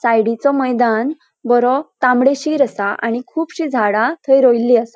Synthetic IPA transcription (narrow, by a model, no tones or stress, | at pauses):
sajɽit͡sɔməjd̪an | bəɾɔt̪ãmɽeɕiːɾəsaa̰ɽ̃ikʰuːpɕiːd͡zʱaɽat̪ʰəjɾojlːiːəsa